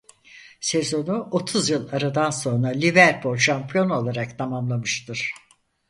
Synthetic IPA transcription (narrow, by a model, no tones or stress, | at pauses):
se̞zo̞nuʔo̞t̪ʰuzjɯlˠaɾad̪anso̞nɾalʲivæɾbulˠʃampʰijo̞no̞lˠaɾakt̪ʰamamlˠamɯʃt̪ʰɯɾ̥